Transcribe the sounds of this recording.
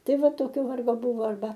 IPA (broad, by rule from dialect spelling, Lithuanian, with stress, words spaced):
ˈtɐɪ ˈʋɐ ˈtoːkʲoː ˈʋɐrɡoː ˈbʊʋoː ɐrˈbɐ